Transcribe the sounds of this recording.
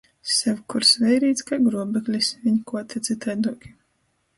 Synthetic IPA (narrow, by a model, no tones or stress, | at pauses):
sɛwkuɾsvɛjɾiːt̪skaɡɾuɔbɛklʲisvʲiɲkuɔt̪ʲɛt̪sit̪ajd̪uɔkʲi̥